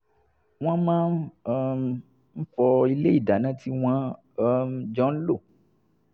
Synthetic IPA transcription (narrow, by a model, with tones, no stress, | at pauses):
w̃ɔ̃˦mãː˦˧ | m̩˦fɔ˧i˧le˦i˦˨da˨nã˨˦tʰi˦w̃ã˦˧ | d͡ʒɔ̃˨˦n̩˦lo˦˨